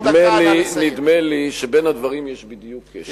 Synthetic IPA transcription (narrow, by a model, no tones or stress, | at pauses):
d̪melinid̪meliʃebenad̪vaʁimjeʃbid̪jukʰːeʃ